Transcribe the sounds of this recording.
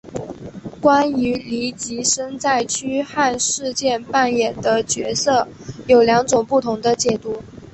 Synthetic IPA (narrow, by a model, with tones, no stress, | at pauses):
kwa˥ny˧˥li˧˥t͡ɕi˧˥ʂə˥ŋt͡sa˥˩ɪt͡ɕʰy˥xa˥˧nʂɻ̩˥˧t͡ɕjɛ˥˧npa˥˩njɛ˨˩nd̪ə˦t͡ɕɥɛ˧˥sɤ˥˩ | jo˨˩ʊljɑ˧˥ŋʈ͡ʂʊ˨˩ŋpu˥˩t̪ʰʊ˧˥ŋd̪ə˧t͡ɕjɛ˨˩t̪u˧˩˦